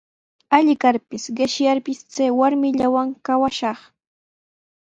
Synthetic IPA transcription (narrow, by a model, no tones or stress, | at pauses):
aʎɪkaɾpɪsɢɪʃjaɾpɪst͡sajwaɾmɪʎawaŋkawaʃɑχ